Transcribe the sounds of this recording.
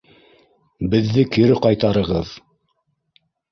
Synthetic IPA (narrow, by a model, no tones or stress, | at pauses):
bɘ̆ðːɘkɘ̆ɾɘqɑjt̪ɑɾɤ̆ʁɤð